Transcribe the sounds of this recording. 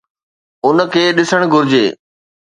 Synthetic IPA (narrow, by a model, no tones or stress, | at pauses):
ʊnkʰeːɗɪsəɽ̃ɡʱʊɾɪd͡ʑeː